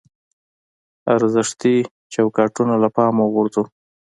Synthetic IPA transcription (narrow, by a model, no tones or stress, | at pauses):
aɾzɪʂt̪i | t͡ʃawkɑʈunolapɑmoɣʊɾzu